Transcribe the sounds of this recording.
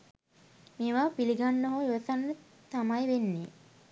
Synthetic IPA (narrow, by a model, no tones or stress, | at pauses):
meːʋaːpiliɡanːoɦoːiʋɐsanə | t̪amajʋenːe